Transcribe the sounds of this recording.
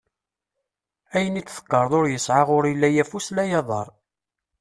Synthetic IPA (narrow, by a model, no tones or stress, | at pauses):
æjənit͡sːθə̥kːəɾˤðˤoɾjəsʕaʁʊɾilːæjæfuslæjɑðˤɑɾˤ